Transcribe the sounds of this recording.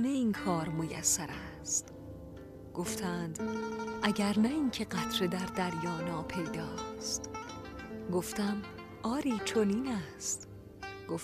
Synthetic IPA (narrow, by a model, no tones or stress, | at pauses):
neiːnkʰɒːɾmojæ̰sːæɾæ | st̪ | ɡ̥oft̪ʰæːnd̪ʔæɟæɾnæiːŋcʰe̞ɢæt̪ʰɾed̪æɾd̪æɾjɒːnɒːpʰe̞jd̪ɒːst̪ | ɡoft̪æm | ʔɒːɾiːt͡ʃʰoniːnæst̪ | ɡ̥of